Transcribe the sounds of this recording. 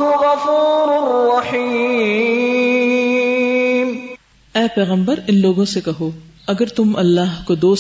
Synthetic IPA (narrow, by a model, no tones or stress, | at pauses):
ɦɣɐfuːɾʊɾrːɑħi | m | ɛːpɛːɣə̃mbəɾɪnloːɡõsekɐɦoːɐɡəɾt̪ʊmɐlːaːɦkod̪oːs